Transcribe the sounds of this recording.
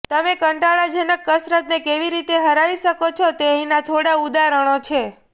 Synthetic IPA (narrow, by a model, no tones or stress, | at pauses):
t̪əmekəɳʈaɭad͡ʒənəkːəsɾət̪nekeʋiɾit̪eɦəɾaʋiʃəkot͡ʃʰot̪eəɦĩnat̪ʰoɽaud̪aɾəɽ̃ot͡ʃʰe